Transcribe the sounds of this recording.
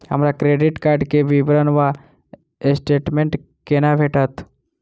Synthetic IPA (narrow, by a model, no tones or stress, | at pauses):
ɦə̰mɾakɾeɖiʈkaɾɖkeʋibɾənʋa | esʈeʈmẽɳʈ | kenapʰeʈət̪